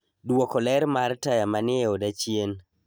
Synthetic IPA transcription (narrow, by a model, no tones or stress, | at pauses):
dwokɔlɛɾmartajamanɪɛɔdat͡ʃien